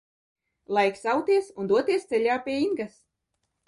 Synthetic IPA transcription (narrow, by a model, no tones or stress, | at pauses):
lˠajksawt̪iɛsund̪uɔt̪iɛst̪sɛlʲaːpʲiɛiŋɡas